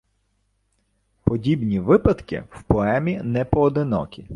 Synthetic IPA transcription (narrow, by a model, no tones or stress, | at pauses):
pɔdʲibnʲiʋɪpɐd̪kɪ̰wpɔɛmʲinɛpɔːd̪ɪnɔ̰kʲi